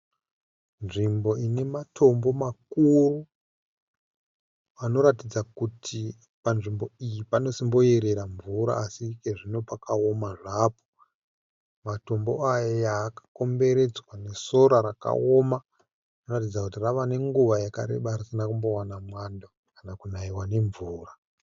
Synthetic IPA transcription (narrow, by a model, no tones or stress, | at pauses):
nʐimbo̞ine̞matʰo̞mbo̞makuru | ano̞ɾatid͡zakutʰi | panʐimbo̞ijipano̞simbo̞je̞ɾe̞ɾaɱvuɾa̰ːsikeʐino̞pakao̞maʐaːpo̥ | mato̞mbo̞̰ajajaːkḁko̞mbe̞ɾe̞d͡zwane̞so̞ɾaɾaka̰o̞ma | ino̞ratid͡zakutiraʋane̞ŋɡuʋajaka̰ɾe̞̰ɓarisinakumbo̞wanamwanda | kanakunaiwane̞ɱvuːra